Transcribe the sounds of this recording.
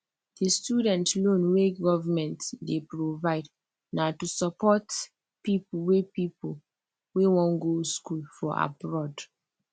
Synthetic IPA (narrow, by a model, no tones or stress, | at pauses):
d̥istjudɛ̃ntlõnweɡɔvamɛ̃ntdepɹovaɪd | natusapɔt | pipuwepipol | wewɔ̃nɡoskulfɔa̰bɹɔd